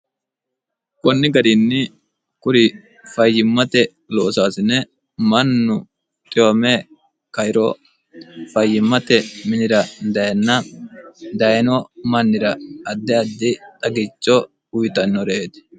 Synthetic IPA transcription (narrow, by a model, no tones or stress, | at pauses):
kʼɔnːɪɡɐɾinːɪ | kʊɾɪ | fɐjːɪmːɐt̪ɛ | loːsaːsɪnːɛ | mɐnːʊ | t̪ʼɪomɛ | kɐjɪɾɔ | fɐjːɪmːɐt̪ɛmɪnɪɾɐd̪ɐjɛnːɐ | d̪ɐjnɔmɐnːɪɾɐːd̪ːɛɐd̪ːɪt̪ʼɐɡɪt͡ʃːɔ | ʊjt̪ɐnːɔɾɛet̪ɛ̥